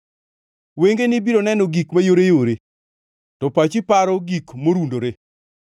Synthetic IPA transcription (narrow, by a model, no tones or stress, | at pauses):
weŋɡenɪbiɾonɛnɔɡikmajoɾejoɾe | tɔpat͡ʃɪpaɾɔɡikmoɾundoɾe